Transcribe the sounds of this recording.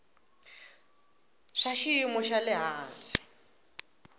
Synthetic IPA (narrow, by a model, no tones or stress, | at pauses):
ʂaʃiimɔʃalɪɦaːnsi̥